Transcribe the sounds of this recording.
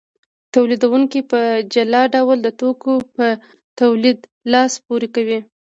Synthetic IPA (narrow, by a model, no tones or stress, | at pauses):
t̪awlid̪awuŋkipəd͡ʒalɑɖawld̪ət̪okopə | t̪awlid̪lɑspoɾekawi